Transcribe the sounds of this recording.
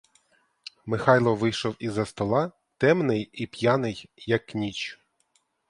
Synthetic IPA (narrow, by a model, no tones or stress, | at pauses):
mɪxɑjlˠɔʋɪjʃɔwizɐst̪ɔlˠɑ | t̪ɛmnɪjipʲjɑnɪjːɐkːnʲit͡ʃ